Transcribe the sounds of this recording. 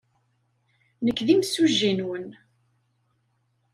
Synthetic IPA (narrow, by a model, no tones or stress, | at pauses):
nəkːðimsuʒːinwən